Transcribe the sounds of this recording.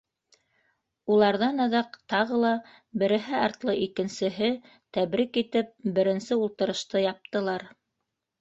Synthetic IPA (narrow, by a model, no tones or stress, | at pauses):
ulˠɑɾðɑnɤ̆ðɑqt̪ɑʁɤlˠɑ | bɘ̆ɾɘ̆ɦɘɑɾt̪lˠɤʔikɘ̆nsɘ̆ɦɘ | t̪æβɾikit̪ɘp̚bɘ̆ɾɘ̆nsɘulˠt̪ɤ̆ɾɤ̆ʃt̪ɤjɑp̚t̪ɤ̆lˠɑɾ